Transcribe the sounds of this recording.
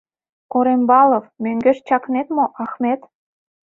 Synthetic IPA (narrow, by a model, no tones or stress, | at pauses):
koɾembɑlˠofmøŋɡĕʃt͡ɕɑknet̪moʔɑxmet̪